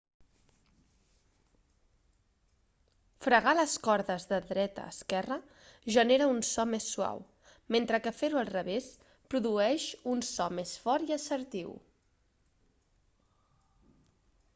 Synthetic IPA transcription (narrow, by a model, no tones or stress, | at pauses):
fɾəɣaləskɔɾðəzðəðɾɛt̪ə̰ːskɛrə | ʒəneɾəunsɔmesːua̰w | ment̪ɾəkəfeɾuəlˠrəβes | pɾuðuɛʃunsɔmesfɔɾiəsəɾt̪iw